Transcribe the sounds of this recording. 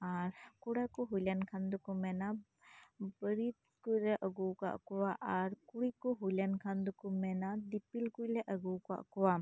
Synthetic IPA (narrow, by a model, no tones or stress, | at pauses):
aɾkuɽakuɦujlankʰand̪ukumɛna | bəɾit̪̚kujlaʔəɡuka̰ʔkuwaʔaɾkuɾikuɦujlankʰand̪ukumɛnadipilkujlaʔəɡuka̰ʔkuwa